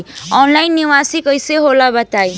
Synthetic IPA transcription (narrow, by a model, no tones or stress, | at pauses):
ɔnlajnːiʋasikəjseɦolabət̪aj